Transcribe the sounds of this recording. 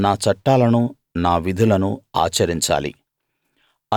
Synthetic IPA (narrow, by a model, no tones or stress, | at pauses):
naːt͡ʃɐʈːaːlɐnu | naːʋid̪ʱulɐnua̰ːt͡ʃɐɾiɲt͡ʃa̰ːlḭ | ɐ